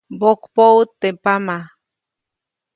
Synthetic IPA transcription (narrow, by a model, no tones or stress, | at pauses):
bokpout̪ːepama